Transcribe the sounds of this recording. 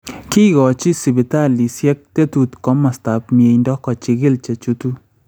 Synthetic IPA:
ki˦ɣɔ˨t͡ʃi˦si˨bi˨ta˦˨li˨sjɛ˦k̚te˦tu˨tkɔ˦ma˨sta˨p̚mi˨e˨ndɔ˦kɔ˨t͡ʃi˧ɡɪ˦lt͡ʃe˨t͡ʃu˦tu˦

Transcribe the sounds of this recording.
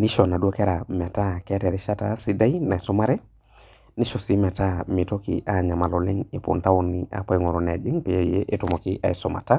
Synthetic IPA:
ni˦ʃɔ˨na˨dwo˦kɛ˦ɾa˨mɛ˨ta˦kɛ˦tɛ˨ɾi˦ʃa˦ta˦si˦da˦i˦na˨e˨sɔ˦ma˦ɾɛ˦ | ni˦ʃo˨si˦mɛ˨ta˦mɪ˨to˦kḭ˨ʔa˨ɲa˨ma˨lo˨lɪ˦ŋe˨pṵ˨nta˦o˦nɪ˦a̰˨pa˦˨˦ŋo˨ɾɔ˨n˨a˨d͡ʒi˦ŋpɪ˨ja˦˨je˦ʔe˦tʊ˦mɔ˨kɪ˦ʔa˨i˨sɔ˨ma̰˨ta˦

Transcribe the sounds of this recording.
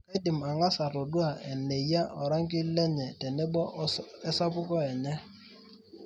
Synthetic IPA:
e˦di˨ma˨ŋa˦sa˨tɔ˨du˦a˨ɛ˨ne˨ja˦ʔɔ˨ɾa˦ŋ˦k̬ɪ˦lɛ˦ɲɛ˨tɛ˨nɛ˦bɔ˦ɛ˦sa˦pʊ˦kɔ˦ɛ˨ɲɛ˦

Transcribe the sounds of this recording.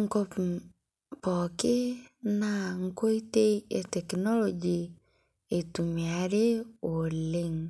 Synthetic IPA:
ŋ˦ko˦p | pɔ˨kɪ˦na˦ŋ̩˦ko˦i˦te˦e˨tɛ˨knɔ˦lɔd͡ʒi˨ | e˨tu˨mia˨ɾe˦o˨le˦ŋ

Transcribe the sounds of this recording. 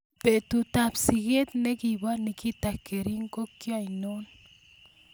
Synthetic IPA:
pe˨t̪u˨t̪apsike˦t̪ne˦kiba˦niki˦t̪akːeɾi˦ŋko˦kːjajnon

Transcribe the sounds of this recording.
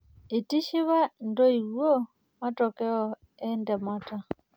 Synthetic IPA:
i˨ti˦ʃi˦βa˦ndɔ˦i˨ɣwɔ˦ | ma˦tɔ˨kɛ˦ɔ˦ | ɛ˦ndɛ˨ma˦ta˨

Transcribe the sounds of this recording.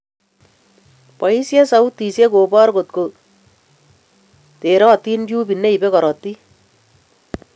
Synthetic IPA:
pɔ˨i˦sjɛ˦sa˨wt̪i˨se˦ko˨bɔ˦ɾko˨t̪̚ko˨ | te˨ɾɔ˦t̪i˦ndju˦pi˨nːe˦i˨bɛ˦kɔ˨ɾɔ˨t̪ːi˦

